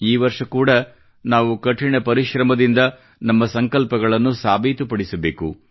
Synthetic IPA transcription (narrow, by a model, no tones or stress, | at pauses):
iːʋɐɾʂɐkuːɽɐ | naːʋukɐʈːiɳɐpɐɾiʃɾɐmɐd̪ind̪ɐ | nɐmːɐsɐŋkɐlpɐɡɐɭɐnːusaːbʱiːt̪upɐɽisɐbe̞ːku